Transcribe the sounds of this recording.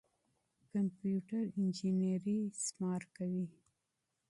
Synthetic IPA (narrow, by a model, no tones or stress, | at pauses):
kampjuʈaɾɪnd͡ʒineɾismɑɾkawi